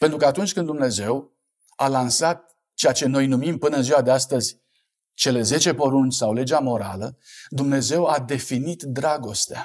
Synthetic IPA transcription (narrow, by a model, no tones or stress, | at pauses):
pe̞nt̪ɾukəat̪unt͡ʃʲkɨnd̪d̪umne̞ze̞w | alansat̪̚ | t͡ʃejat͡ʃe̞no̞jnumimpɨnəɨnziwad̪east̪əzʲ | t͡ʃe̞le̞ze̞t͡ʃe̞po̞ɾunt͡ʃʲsawle̞d͡ʒamo̞ɾa̰ləd̪umne̞ze̞wad̪e̞finit̪d̪ɾaɡo̞st̪ea